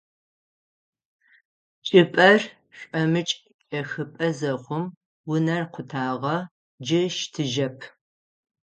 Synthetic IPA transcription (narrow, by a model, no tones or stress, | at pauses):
t͡ʃʼɪpʼɐr | ɕʷʼɐmɨt͡ʃʼ | ɐxɨpʼɐzɐχʷʊm | wʊnɐrqʷʊtʰaːʁɐ | d͡ʒɪʃtʰɨʒɐpʰ